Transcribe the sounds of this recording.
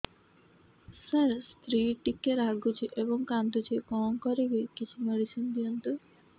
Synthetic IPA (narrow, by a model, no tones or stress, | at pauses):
səɾst̪ɾiʈikːeɾaɡut͡ʃʰiʔebɔŋkant̪ut͡ʃʰikɔŋkɔɾekikit͡ɕʰumeɽit͡ʃʰend̪iɔnt̪u